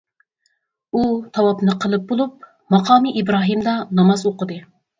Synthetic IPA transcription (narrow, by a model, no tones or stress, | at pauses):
ut̪ʰɑwɑpnɨqʰəlˠɨp̚bolˠup̚ | mɑqʰɑːmɨʔibɾɑːɦimd̪ɑnɑmɑzoqəd̪ɨ